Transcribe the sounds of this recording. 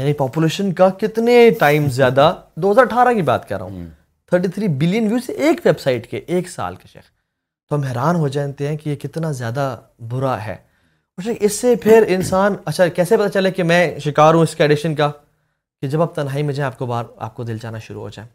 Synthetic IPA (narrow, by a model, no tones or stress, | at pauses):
jaːnipɔːpuleːʃənkakɪt̪neʈaːɪmzjaːd̪ad̪oːɦɐzaːɾɐʈʰaːɾãkiba̰ːt̪kɐ̰ɾːa̰ɦṵ̃ | t̪ʰəɾʈit̪ʰɾiːbɪlijənʋjiuːsʔeːkʋebsaːɪʈkḛʔeːksa̰ːlkaʃḛːx | t̪oɐmɛɦɾaːnɦod͡ʒãːt̪eɦɛ̃kijekɪt̪nazjaːd̪a | bʊɾaɦɛ̰ː | ɔːɾʃeːkɪsːepʰɪɾɪnsaːnɐtːʃʰakɛːsepɐt̪at͡ʃɐlekemɛ̃ʃɪkaːɾɦũɪskaɪɖɪʃənka | ked͡ʒɐbaːb̚t̪ɐnɦaːimẽd͡ʒaːẽaːp̚kobaːɾa̰ːp̚kod̪ɪld͡ʒaːnaʃʊɾṵɦo̰ːd͡ʒa̰ːẽː